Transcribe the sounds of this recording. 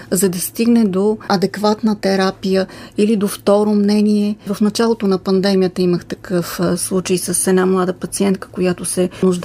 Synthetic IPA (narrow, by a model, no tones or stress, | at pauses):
zɐd̪ɐst̪iɡnɛd̪oɐd̪ɛkvat̪nət̪ɛɾapijəilid̪oft̪ɔɾomnɛniɛvɐfnɐt͡ʃalˠot̪onɐpɐnd̪ɛmijət̪əiməxt̪ɐkɤfslˠut͡ʃəjsəsɛnamlˠad̪əpɐt̪siɛnt̪̚kə̥kojat̪osɛnʊʒd̪